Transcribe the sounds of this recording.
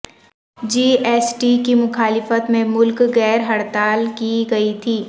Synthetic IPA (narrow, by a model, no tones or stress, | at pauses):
d͡ʒiːeːsʈikimʊxaːlɪfət̪mẽmʊlkɣɛːɾɦɐɽt̪aːlkiɡɐit̪ʰiː